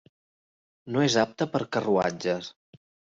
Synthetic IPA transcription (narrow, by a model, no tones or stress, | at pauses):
noezap̚t̪əpəɾkərua̰d͡ʒəs